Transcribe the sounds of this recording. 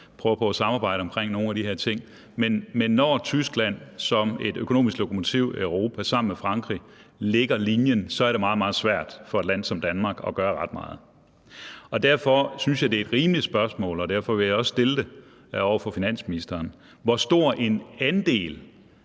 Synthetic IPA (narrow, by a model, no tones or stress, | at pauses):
pʰʁœːʊɐpʰɒ̽æsɑ̈mɑ̈ːb̥ɑ̈ɪ̰ɾ̥əɒ̽mkʰʁeŋ̰no̝ːn̩æɾ̥ihe̝ɐt͡sʰe̝ŋ̰ | menmenːɒt͡sʰysɡ̥læn̰sɒ̽me̝d̥økʰo̝no̝̰ːmisɡ̥lo̝kʰomo̝t͡sʰiʊ̰øʊʁo̝ːpʰæsɑ̈m̰n̩mefʁɑ̈ŋɡ̥ʁi | le̝ɡ̥ɐlinjənsɒ̽æɐɾe̝mɑ̈ːð̩ˠmɑ̈ːð̩ˠsʋæɐ̰d̥fɒ̽ed̥læn̰sɒ̽md̥ænmɑ̈ːɡ̥ɒ̽ɡ̥ɶːɐʁɑ̈d̥mɑ̈ːð̞̩ˠ | ɒ̽d̥æɐ̰fɒ̽synsjɑ̈ɪd̥e̝ed̥ʁiːmli̥sb̥ɶɐsmɔ̰̽ːlɒd̥æɐfɒ̽ʋe̝jɑ̈ɪɒ̽ssd̥e̝ld̥e̝ | ɒʊ̰ɐfɒ̽finæn̰sminisd̥ɐːn | ʋɒsd̥o̝ɐ̰ʔe̝nænd̥e̝̰ːl